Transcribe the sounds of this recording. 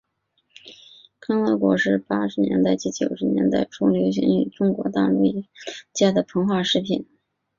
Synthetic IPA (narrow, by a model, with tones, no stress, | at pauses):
kʰa˥ŋla˧˥kwɔ˧˥ʂɻ̩˥˩pa˥ʂɻ̩˧˥njɛ̰˧˥nt̪a˥ɪt͡ɕi˥˩t͡ɕjo˨˩ʊʂɻ̩˧˥njɛ̰˧˥nt̪a̰˥˩ɪʈ͡ʂʰʊ˥ŋljo˧˥ʊɕ̬ḭ˧˥ŋy̰˨˩ʈ͡ʂʊ˥ŋkwɔ̰˧˥t̪a̰˥˩lṵ˧˥˧t͡ɕja˥˩d̪ə˩pʰɤ˧˥ŋxwa˥˩ʂɻ̩˥˩pʰi˨˩˦n